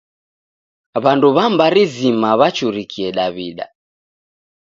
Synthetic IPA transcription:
βanduβambaɾizimaβat͡ʃuɾikʰiɛɗaβiɗa̰

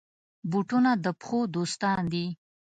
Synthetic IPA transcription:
buʈunad̪əpxod̪ost̪ɑnd̪i

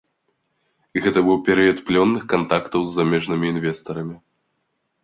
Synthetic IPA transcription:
iɣɛt̪ɐbɨwpʲɛɾɨjɐt̪plʲɔnːɨxkant̪akt̪ɐwzːamʲɛʐnɨmʲiːnvʲɛst̪ɐɾɐmʲi

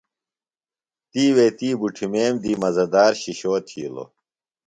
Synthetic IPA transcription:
t̪iːweːt̪iːbuʈʰimeːmd̪iːmɐzɐd̪aːɾɕiɕoːt̪ʰḭːlo̰

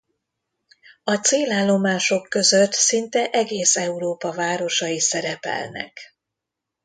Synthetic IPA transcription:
ɒt̪seːlaːlːo̞maːʃo̞kːø̞zøt̪sint̪ɛʔɛɡeːsɛuɾoːpɒvaːɾo̞ʃɒjisɛɾɛpɛ̰lnɛ̰k

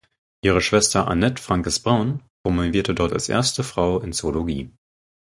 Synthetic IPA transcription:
ʔiːʁ̞əʃv̥ɛstɐʔa̰nɛtfʁ̥aŋkəsb̥ʁaʊnpʁ̥omoviːɐtədɔɐta̰lsʔḛɐstəfʁ̥aʊɪnt͡soloɡḭː

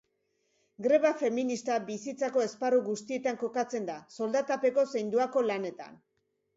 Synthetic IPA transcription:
ɡɾe̞βafe̞minist̪abisit͡sako̞e̞sparuɣust̪ie̞t̪aŋko̞kat͡se̞nd̪aso̞ld̪at̪ape̞ko̞se̞jnd̪uako̞lane̞t̪a̰n

